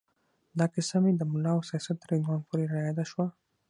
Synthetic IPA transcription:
d̪ɑkɪsamed̪əmʊlːɑawsijɑsat̪ːəɾhɪnd̪wɑnpʰoɾeɾajɑd̪aʃwa

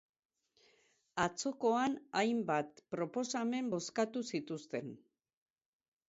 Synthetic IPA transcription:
at͡so̞ko̞anajmbat̪̚pɾo̞po̞same̞mbo̞skat̪usit̪ust̪e̞n

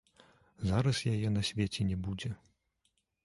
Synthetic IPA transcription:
zaɾɐsjajɛnɐsʲvʲet͡sʲɛnʲɛbud͡zʲɛ

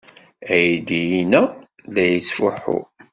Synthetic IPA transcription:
æjid̪ijinæ | læjət͡sːfuħʊ̰

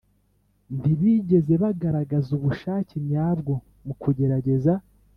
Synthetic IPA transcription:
ndiβiːɟe̞ze̞βaɡaɾaɡazuβuʃaːcimɲaːbɡo̞ | mukʰuɟe̞ɾaɟe̞za

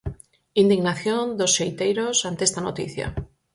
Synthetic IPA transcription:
ind̪iɣnaθjond̪osʃejt̪ejɾosant̪eest̪ano̰t̪ḭθja̰

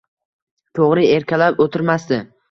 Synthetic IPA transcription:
t̪ʰoʁɾɪe̞ɾkʲalapot̪ʰɪɾmasd̪ɪ

